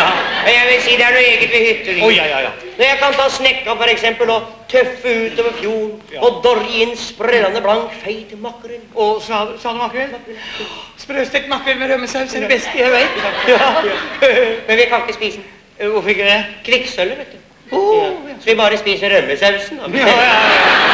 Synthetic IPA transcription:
mɛnjæɪʋɪlsiːd̪ɛæɳueːɡət̪ʋɪhʏt̪ːəɾ̰ | nɔjæɪkɑnt̪ʰɑːsnɛkːɑfɔɾɛksɛmpəlɔt̪ʰœfːəʉːt̪oːʋəfjuːɳɔd̪ɔɾɪnːsprɛlːɑnəblɑnk̪feɪt̪mɑkːɾənɔsɑsɑːnəmɑkːʋɛlmk̪ː | spɾøːst̪ɛkt̪mɑkːəɾmɛɾœmːəsɑʉsd̪ɛbɛst̪əjæɪʋæɪt̪ | mɛnʋɪkɑkːəspiːsən | ʋʊɾfɪk̪ːd̪ɛkʰɾɪksœlːəɾʋeːt̪d̪ʉ | sɔʋɪbɑːɾəspiːsəɾœmːəsɑʉsnɑ

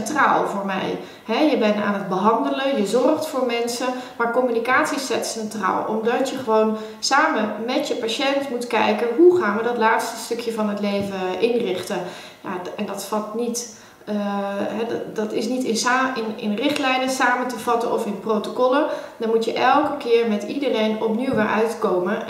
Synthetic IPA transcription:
ɛntra̰ːlˠvoːɹmɛ̰j | hɛjəbɛna̰ːnəd̚bəɦɑndələjəzɔrχtfoːɹmɛnsəmaːɹkɔmynikaːtsisɛtsɛntra̰ːlˠɔ̰mdɑtjəχəʋown | saːməmɛtjəpaʃɛntmutkɛjkəɦuχaːnʋədɔtlaːtstə̥stɵkʰjəvɑnɦətlejvəʔɪnrɪχtə | ja̰ɛndɑtfɑlˠtnit | ɦɛddɑtɪsnitɪnɪnɪ̰nrɪχtlɛjnəsaːmətəv̥ɑtənɔfɪnprowtokɔlədɑnmutjəʔɛlˠkəkɪːɹmɛtidərejnɔpniwʋaɹʔœ̰ɥtkowmə

